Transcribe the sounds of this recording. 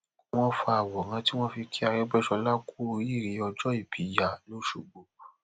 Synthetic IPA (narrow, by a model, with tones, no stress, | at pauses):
w̃ɔ̃˦fa˧a˨wɔ˨ɾã˧ti˦w̃ɔ̃˦fi˧kʰi˦a˧ɾɛ˦ɡ͡bɛ˦˨ʃɔ˧la˦ku˦o˧ɾi˦˨ɾi˨˦ɔ˧d͡ʒɔ˦i˦˨bi˨˦ja˦˨lo˨˦ʃṵ˨ɡ͡bo˨